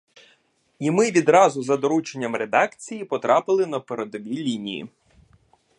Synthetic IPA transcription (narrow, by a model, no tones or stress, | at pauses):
imɪʋʲid̪ɾɑzʊzɐd̪ɔɾut͡ʃenʲːɐmɾed̪ɑkt͡sʲijipɔt̪ɾɑpɪlˠɪnɐpeɾed̪ɔʋʲilʲinʲijḭ